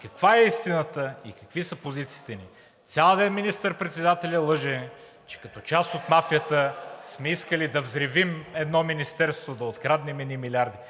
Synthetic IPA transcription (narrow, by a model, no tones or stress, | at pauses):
kɐkvaɛist̪inət̪əḭkɐkvisəpozit̪si̥ːt̪ɛnḭ | t̪sʲalˠəd̪ɛnminist̪əɾpɾɛt̪sɛd̪at̪ɛlʲəlˠɤʒɛn | t͡ʃɛ̥kɐt̪ɔt͡ʃast̪ot̪mafijət̪əsmɛiskəlid̪ɐvzɾɛvimɛd̪nɔminist̪ɛɾst̪vod̪ɐot̪kɾad̪nɛmɛnimilʲaɾd̪i